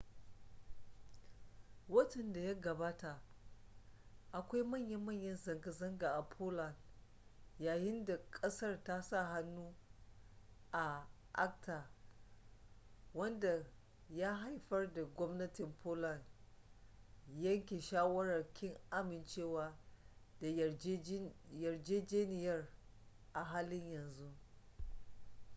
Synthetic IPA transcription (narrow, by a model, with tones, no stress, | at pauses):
wɐ˦tɐ˨nda˨ja˦ɡɐ˨baː˦ta˨ʔ | ʔa˨kʷa˦jmɐ˦˨ɲjɐ˦mːɐ˦˨ɲjɐ˦nzɐ˨ŋɡa˨zɐ˦ŋɡa˨ʔa˨pʰoː˦la˨n | jaː˨jɪ˦nda˨kʼɐ˦sɐ˦rta˦sa˦˨ɦa˦nːuː˦ | ʔa˨ | ʔa̰˦k̚tʰaː˨ | wɐ˦nda˨ | ja˦ɦa˨jɸɐ˦rda˨ɡʷɔ˦mnɐ˦tɪ˨mpʰoː˦lɐ˨n | jɐ˦ŋkʲe˨ʃaː˦wɐ˦ɽɐ˨rkʲʰɪ˦ŋʔa˦mɪ˨nt͡ʃeː˦waː˦d | jɐ˨rd͡ʒeː˦d͡ʒeː˦nɪ˨jɐ˦r | ʔa˨ɦaː˦lɪ˦ɲjɐ˨nzu˦